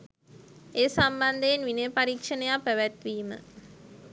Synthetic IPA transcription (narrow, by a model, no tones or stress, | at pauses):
eːsamband̪eenʋinejpaɾikʂənəjapːæʋæt̪ʋiːmə̰